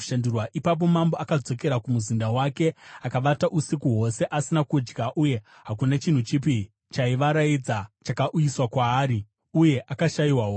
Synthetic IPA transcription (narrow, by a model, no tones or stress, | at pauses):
ʃandurwaʔipap̬o̞mamboakad͡zo̞ke̞ɾakumuzindawake̞akaʋataʔusikuɦo̞se̞ʔasinakud͡ʒɡaʔuje̞ | ɦak̬unat͡ʃin̤ut͡ʃip̬i | t͡ʃaiʋaɾaid͡zat͡ʃakaʔujiswakwaːɾi | uje̞ʔakaʃajiwaɦo